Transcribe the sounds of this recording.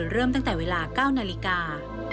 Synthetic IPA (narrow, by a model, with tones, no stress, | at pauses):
ɾɤː˥˩mt̪a˥˩ŋt̪ɛː˨˩weː˧laː˧kaː˥˩wnaː˧li˦˥kaː˧